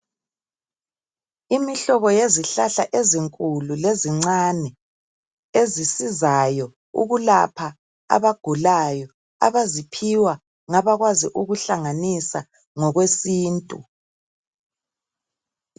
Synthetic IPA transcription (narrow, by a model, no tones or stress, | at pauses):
imiɬɔβɔjeziɬaɬaʔeziŋkʼululeziŋ͡ǀanɛ | ezisizajɔ | ṵɣulapʰa | a̰βaɡ̥ʱulajɔ | a̰βazipʰiwa | ŋaβaɣwazḭʔuɣuɬaŋanisa | ŋɔɣwesiːntʼṵ